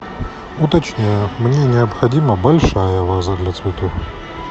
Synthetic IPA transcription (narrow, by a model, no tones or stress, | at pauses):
ut̪ɐt͡ɕnʲejəmnʲenʲɪɐpxɐdʲimɐbɐlʲʂajəvazɐd̪lʲɐt̪svʲɪt̪ux